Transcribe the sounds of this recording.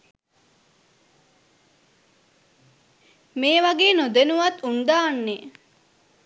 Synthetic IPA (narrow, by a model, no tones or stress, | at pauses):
meːʋɐɡeːnod̪enuʋɐt̪ːund̪aːnːe